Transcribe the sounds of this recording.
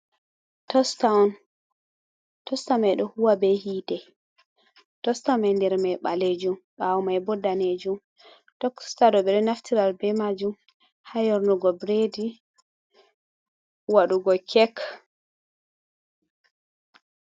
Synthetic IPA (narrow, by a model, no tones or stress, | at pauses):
tɔstaɔn | tɔstamajɗɔhuwabɛhiːtɛ | tɔstamajndɛɾmajɓaled͡ʒumɓawɔmajbɔdːaned͡ʒum | tɔstadɔɓɛɗɔnaftiɾalbɛmad͡ʒum | hajɔɾnɔɡɔbɾedi | waɗuɡɔkʰɛk